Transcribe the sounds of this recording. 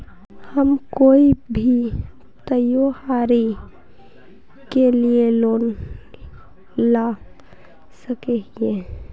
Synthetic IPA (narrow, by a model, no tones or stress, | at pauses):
həmkoːibʱi | t̪əjohaɾi | kelieloːn | la | səkeɦie